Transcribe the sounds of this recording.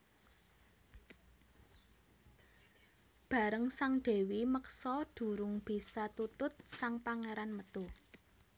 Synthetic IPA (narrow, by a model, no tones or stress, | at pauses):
b̥ä̤ɾəŋsaŋɖ̪̥e̤wiməksɔd̪̥ṳɾʊŋb̥i̤sat̪ut̪ʊt̪̚saŋpaŋeɾanmət̪u